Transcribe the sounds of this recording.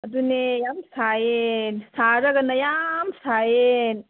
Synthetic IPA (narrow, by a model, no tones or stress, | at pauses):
ɐdunejamsajensaɾɐɡɐnɐjamsajen